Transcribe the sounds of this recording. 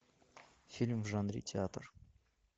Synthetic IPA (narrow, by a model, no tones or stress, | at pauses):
fʲilʲmfʒɑnɾʲḭt̪ʲʰeat̪r